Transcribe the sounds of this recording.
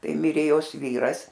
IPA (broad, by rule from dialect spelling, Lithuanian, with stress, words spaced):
ˈtɐɪ ˈmʲɪrʲeː ˈjoːs ˈʋʲiːrɐs